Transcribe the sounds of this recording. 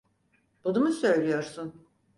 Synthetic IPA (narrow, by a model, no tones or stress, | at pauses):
b̥unumusø̞jlʲijo̞ɾsun